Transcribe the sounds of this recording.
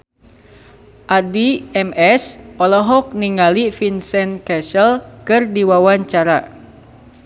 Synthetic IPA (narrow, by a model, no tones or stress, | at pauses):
ʔadiɛmɛsɔlɔɦɔk̚niŋalifinsɛnkɛsəlkɨrdiwawaɲt͡ʃaɾa